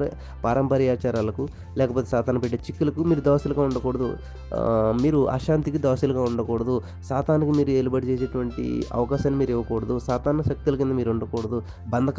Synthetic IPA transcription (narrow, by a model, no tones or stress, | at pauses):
paːɾɐmpɐɾjaːt͡ʃaːɾaːlɐku | lɛːkɐp̬oːt̪esaːt̪aːnɐpeʈːeːt͡ʃikːilɐkumiːɾud̪aːsilɐɡaːuɳɖɐkɔːɽɐd̪ṵ | miːɾuʔɐ̰ʃaːnt̪ikid̪aːsiluɡaːuɳɖɐkɔːɽɐd̪u | saːt̪aːnikimiːɾueːlubɐɽit͡ʃeːseːʈuʋɐɳʈḭɐ̰ʋɐkaːʃaːnimiːɾiʋɐkɔːɽɐd̪usaːt̪aːnɐʃɐk̚t̪ulɐkind̪ɐmiːɾuɳɖɐkɔːɽɐd̪u | bɐnd̪ɐk